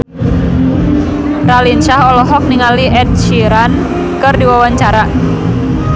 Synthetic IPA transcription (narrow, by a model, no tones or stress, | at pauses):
ralinʃaɦɔlɔɦɔk̚niŋaliʔɛd̚t͡ʃiɾan | kɨrdiwawaɲt͡ʃaɾa